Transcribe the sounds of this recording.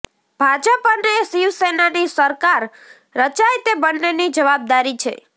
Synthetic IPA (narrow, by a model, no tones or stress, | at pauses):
b̥ʱad͡ʒəpənesiʋsenanisəɾkaɾː | ət͡ʃajt̪ebənːenid͡ʒəʋab̚d̪aɾit͡ʃʰḛ